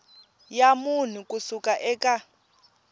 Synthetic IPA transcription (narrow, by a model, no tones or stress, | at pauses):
jamun̤ukʼusukʼaʔɛːkʼa